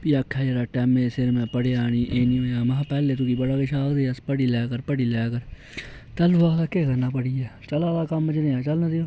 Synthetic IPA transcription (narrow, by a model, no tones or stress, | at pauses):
piːəkʰːaːd͡ʒeːɾaːʈɛːmẽːsɪɾmɛ̃ːpəɽeːaːɽ̃iːʔeːnĩːoːjãːmãɦpɛːleːt̪ʊkiːbəɽaːkɪʃaːkd̪eːəspəɽiːlɛːkəɾpəɽiːlɛːkəɾ | t̪əlʊʋaːt̪akeːkəɾnaːpəɽiːɛːt͡ʃəlaːd̪aːkəmt͡ʃnẽːãːt͡ʃəlnãːd̪eoː